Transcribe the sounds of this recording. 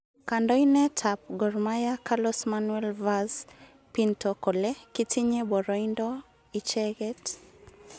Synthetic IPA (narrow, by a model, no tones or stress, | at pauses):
kandɔinɛtʰap̚ɡɔrmajakalɔsmanwɛlvaz | pintɔkolɛkitiɲebɔɾɔindɔ | it͡ʃɛɡɛt